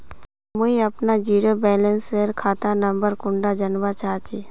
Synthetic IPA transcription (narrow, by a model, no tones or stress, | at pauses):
mʊiɐpnad͡ʒiːɾobɛːlə̃nseɾkʰaːt̪anɐ̃mbəɾkʊ̃ɳɖad͡ʒənʋat͡ʃaːt͡ʃi